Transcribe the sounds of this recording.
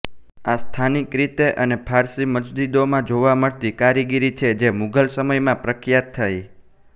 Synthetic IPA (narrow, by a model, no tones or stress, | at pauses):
ast̪ʰanikɾit̪eʔənepʰaɾsiməd͡ʒd͡ʒid̪omãd͡ʒoʋaməɭt̪ikaɾiɡiɾit͡ʃʰed͡ʒemuɡəlsəməjmãpɾəkjat̪ʰːaj